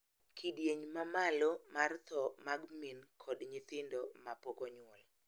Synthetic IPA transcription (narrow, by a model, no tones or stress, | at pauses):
kʰidjeɲmamalɔmart̪ʰɔmaɡminkʰɔdɲɪt̪ɪndɔmapɔkɔɲʊɔl